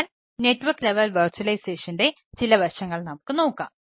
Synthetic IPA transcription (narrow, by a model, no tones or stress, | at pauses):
l | neʈːʋɐrkːleʋɐlʋɐrt͡ɕuɐlɐjseːʂɐnde̞ | t͡ɕilɐʋɐrʂɐŋːɐɭnɐmukːɨno̞ːkːa̰ːm